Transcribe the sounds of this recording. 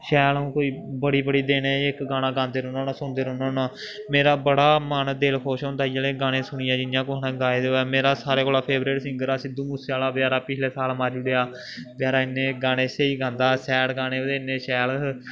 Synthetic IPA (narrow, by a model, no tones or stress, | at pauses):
ʃɛːlũːkoːiːbəɽiːbəɽiːd̪eːnẽːɪkɡaːɽ̃aːɡãːnd̪eːɾõːnõːnaːsʊ̃ːnd̪eːɾoːnoːnaː | meːɾaːbəɽaːmaːnd̪eːlkʰoːʃɦʊ̃nd̪aːid͡ʒeːleːɡaːɽ̃ẽːsʊɳ̃ɪjãːd͡ʒɪnɪjãːkonãːɡaːeːd̪eoːɛːmeːɾaːsaːɾeːkoːlaːpʰeːbɾeːʈsɪ̃ŋɡəɾaːsɪd̪uːmusaːlaːbjaːɾaːpɪt͡ʃʰleːsaːlmaːɾd͡ʒʊɽeːaː | bɪjaːɾaːɪnẽːɡaːɽ̃eːseiːɡãːnd̪aːsɛːɽɡaːɽ̃eːod̪eːɪneːʃɛːl